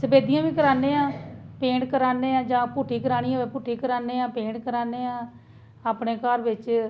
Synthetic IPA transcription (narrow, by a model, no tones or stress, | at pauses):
səbeːd̪ijãːʋĩːkəɾaːnẽːãːpẽːɳʈkəɾaːneːãːd͡ʒãːpuːʈʰiːkəɾaːɽ̃iːaɛːpuːʈʰiːkəɾaːneːãːpẽːʈkəɾaːneːãː | aːpɳeːkəɾʋɪt͡ʃ